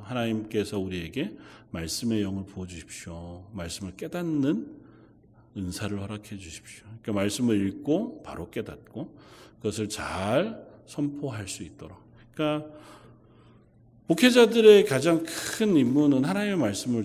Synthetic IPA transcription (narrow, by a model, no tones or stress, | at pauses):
hanaɲimk͈e̞sʰʌuɾie̞ɡe̞maɭs͈ɯme̞jʌŋɯɭpoʌd͡ʑuɕʰi̥p̚ɕ͈jomaɭs͈ɯmɯɭk͈e̞danːɯn | ɯnsʰaɾɯɭhʌɾakʰed͡ʑuɕʰi̥p̚ɕjoik͈amaɭs͈ɯmɯɾiɭk͈opa̰ɾok͈e̞dat̚k͈okɯɡʌsʰɯɭt͡ɕaɭsʰʌmpʰoɦaɭs͈uit̚t͈ʌɾa | k͈a | pokʰed͡ʑadɯɾe̞kad͡ʑaŋkʰɯnimːunɯnɦanaɲime̞maɭs͈ɯmɯɭ